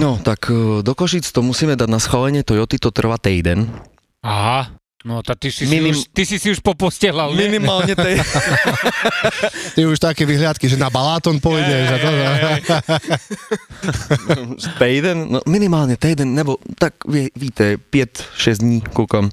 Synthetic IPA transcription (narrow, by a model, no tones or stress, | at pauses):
nɔt̪akd̪ɔkɔʃit͡st̪ɔmusiːmɛd̪aɟnasxalɛɲɪɛt̪ɔjɔt̪it̪ɔt̪r̩ʋat̪ɛjd̪ɛn | aɦa | nɔt̪at̪isiminimt̪isisiuʃpɔpɔscɛɦlalminimaːlɲɛt̪ɛ | t̪ɛuʃt̪akɛʋiɦlɪat̪kiʒɛnabalaːt̪ɔnpɔjɟɛʒad̪ɔʒa | t̪ɛjd̪ɛnnɔminimaːlɲɛt̪ɛjd̪ɛnːɛbɔt̪akʋɪɛʋiːt̪ɛpɪɛt̪ʃɛzd̪ɲiːkuːkam